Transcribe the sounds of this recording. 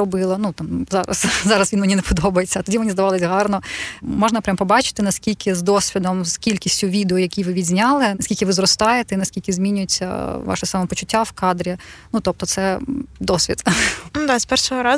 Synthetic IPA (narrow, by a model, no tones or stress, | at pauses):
ɾɔbɪlˠɐnut̪ɑmzɑɾɐ̰szɑɾɐsʋʲinmenʲinepɔd̪ɔbɐjet͡sʲːɐt̪ɔdʲimenʲizd̪ɐʋɑlˠɪsʲɦɑrnɔmɔʒnɐpɾʲampɔbɑt͡ʃɪ̥t̪ɪnɐskʲilʲkʰɪzd̪ɔsʲʋʲid̪ɔmskʲilʲkʲisʲtʲʊʋʲid̪eɔjɐkʲijʋɪʋʲidʲzʲnʲɑlˠɪnɐsʲkʲilʲkʲɪʋɪzrɔst̪ɑjet̪einɐsʲkʲilʲkɪzʲmʲinʲʊjɪt͡sʲːɐ̰ʋɑ̰ʃɪsɑmɐpɔt͡ʃʊtʲːawkɑd̪ɾʲinut̪ɔp̚t̪ɔt̪sɛd̪ɔsʲʋʲḭt̪nud̪ɑzpɛrʃɔɦɔɾɑ